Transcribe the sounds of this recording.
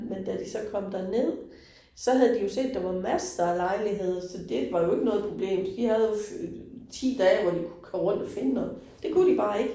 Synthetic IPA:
mend̥æd̥isɒ̽kʰɒ̽m̰d̥æɐne̝ð̰ˠ | sɒ̽ɦæð̞̩ˠd̥ijo̝se̝̰ːd̥ːɑ̈ʋɑ̈mæsəd̥ɑ̈ælɑ̈ɪliɦe̝ð̞̰ˠsɒ̽d̥e̝ʋɑ̈jo̝e̝ɡ̥ənɔ̽ːð̩ˠpʰʁo̝b̥le̝̰ːmsd̥ihæðˠjo | t͡sʰḭːd̥ɛːʋɒd̥ikʰu̥kʰɒmʁɔ̽n̰d̥ɒfe̝nənɔ̽ð̩ˠ | d̥e̝kʰud̥ib̥ɑ̈ːe̝ɡ̥

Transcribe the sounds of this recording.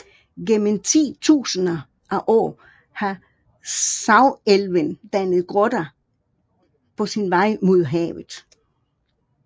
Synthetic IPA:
ɡ̥emn̩t͡sʰḭːt͡sʰṵːsənɐ | ʔæʔɒ̰ː | hɑ | sɑ̈ʊelʋənd̥ænəð̞̩ˠɡ̥ʁɔd̥ɐ | pʰɒ̽sinʋɑ̈ɪ̰mo̝ðˠɦɛ̰ːʊð̩ˠ

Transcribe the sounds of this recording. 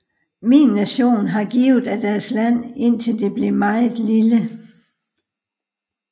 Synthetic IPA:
minːæɕo̝̰ːnɦɑ̈ɡ̥iːʊð̩ˠæd̥æɐslæn̰e̝n̰t͡sʰe̝ld̥e̝b̥le̝mɑ̈ɪð̩ˠlilə

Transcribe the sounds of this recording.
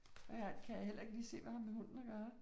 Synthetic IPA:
æækʰæjäel̰ɐe̝ɡ̥liːse̝̰ːʋæhɑ̈mːehon̰n̩ɒɡ̥ɶːɐ

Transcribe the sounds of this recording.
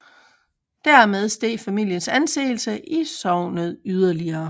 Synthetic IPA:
d̥æɐ̰með̞ˠsd̥e̝̰ːfæmil̰jənsænse̝̰ːlsəʔisɒʊ̰nəð̞ˠyð̞ˠɐliɐː

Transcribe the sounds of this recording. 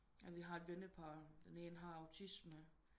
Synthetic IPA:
æʋiɦɑ̈e̝d̥ʋenəpʰɑːd̥ene̝ːnəɦɑ̈ɑ̈ʊt͡sʰismə

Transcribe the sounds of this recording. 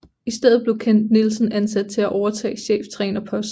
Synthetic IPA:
isd̥eð̩ˠb̥le̝ʊkʰen̰d̥̚nilsən̩ænsæd̥̚t͡sʰe̝æʔɒʊɐt͡sʰɛ̰ːɕḛːft͡sʰʁɛ̰ːnɐpʰɒ̽s

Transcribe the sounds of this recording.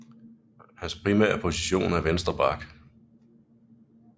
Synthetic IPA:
hænspʰʁimɛ̰ːɐpʰo̝siɕo̝̰ːnæɐʋensd̥ʁɐb̥ɑ̈ɡ̥

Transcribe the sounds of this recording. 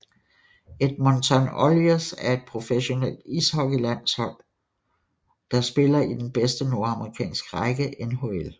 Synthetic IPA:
e̝d̥̚mɒnt͡sʰɑnoliosæɐe̝d̥̚pʰʁo̝feɕo̝nel̰d̥ishɒ̽ɡ̥ilæn̰shɒ̽l̰ | d̥ɑ̈sb̥e̝lɐid̥enb̥esd̥əno̝ɐɑ̈məʁikʰɛ̰ːnsɡ̥ʁaɡ̥əʔenɦo̝el

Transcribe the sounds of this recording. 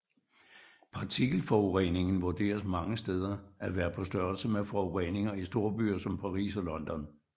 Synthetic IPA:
pʰɑ̈t͡sʰiɡ̥l̩fɒuʁene̝ŋn̩ʋuɐd̥e̝̰ːɐsmɑ̈ŋəsd̥eð̞ˠɐæʋæːɐpʰɒ̽sd̥ɶɐ̰lsəmefɒʊʁḛne̝ŋɐisd̥o̝ɐ̰b̥y̰ːɐsɒ̽mpʰɑ̈ʁḭːsɒ̽lɒ̽nd̥ɒ̽n

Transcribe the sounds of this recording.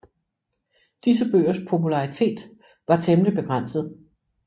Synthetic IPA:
d̥is̬əb̥ø̰ːɐspʰo̝pʰulɑ̈ʁit͡sʰe̝̰ːd̥ | ʋɑ̈t͡sʰemlib̥e̝ɡ̥ʁan̰sð̞̩ˠ

